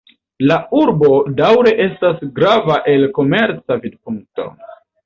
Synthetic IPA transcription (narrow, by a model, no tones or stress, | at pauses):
lauɾbo̞dawɾe̞ʔe̞stasɡɾavaʔe̞lko̞me̞ɾt͡savid̚puŋk̚to̞̰